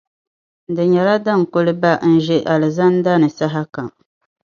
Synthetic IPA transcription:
dɨ˨ɲɛ˨la˦da˦˨ŋ˨kʊ˦lɨ˦ba˦n̩˦ʒɛ˦ʔa˨lɨ˨za˦n˦da˦nɨ˨sa˦ɦa˦ka˨m

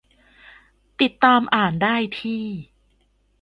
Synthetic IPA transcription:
t̪i˨˩t̪ːaː˧mʔaː˨˩ndaː˥˩jt̪ʰiː˥˩

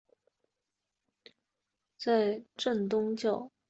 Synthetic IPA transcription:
t͡sa˥˧ɪʈ͡ʂə˥˩nt̪ʊ˥ŋt͡ɕjɑ˥˩ʊ

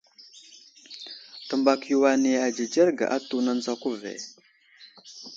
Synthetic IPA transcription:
tə˨mba˨kju˨wa˨ne˨a˨d͡ʒe˨d͡ʒa˦ɾɡa̰˨ʔa˦tu˦na˦n˦za˦ku˦vḛ˨

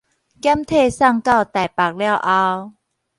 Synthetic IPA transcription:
kja˦˥mt̪ʰe˥˧˨sa˥˧ŋka˥˧˨wt̪a˨˩jpa˨˩k̚lja˥˧wʔa˧w

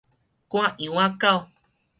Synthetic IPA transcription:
kũ˦ã˦ʔi˨w̃ã˦ka˦o˨

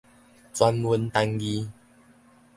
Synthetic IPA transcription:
t͡swa˧nwu˧nt̪a˧ŋɡi˧

